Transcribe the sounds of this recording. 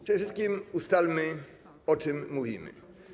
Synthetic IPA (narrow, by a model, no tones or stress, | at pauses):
pʂɛdɛfʂɘst̪̚kʲimust̪almɘ | ɔt͡ʂɘmːuvʲimɘ̰